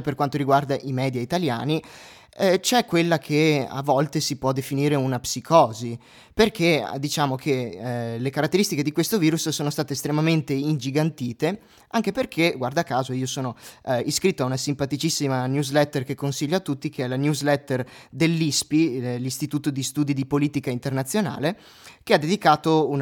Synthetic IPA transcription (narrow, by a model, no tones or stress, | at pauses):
perkwant̪oɾiɡward̪aʔimɛːd̪jait̪alja̰ːni | t͡ʃɛkːwelːakʰea̰vːɔlt̪esipwɔd̪efiniːɾeunapsikʰɔːzi | perkʰed̪it͡ʃaːmok̟ʰelekaɾat̪ːeɾist̪iked̪ikwest̪oviːɾussoːnost̪aːt̪eːst̪ɾemament̪eind͡ʒiɡant̪iːt̪e | ʔaŋk̟eperk̟ʰeɡward̪aːkaːzoiːosoːnoiskɾit̪ːoaunasimpat̪it͡ʃisːimanjuzlɛt̪ːerkekːonsiʎːoat̪ːut̪ːik̟eɛlanjuzlɛt̪ːerd̪elːispilist̪it̪uːt̪od̪ist̪uːd̪id̪ipoliːt̪ikaint̪ernat̪sːjona̰ːle | k̟ead̪ed̪ikaːt̪oun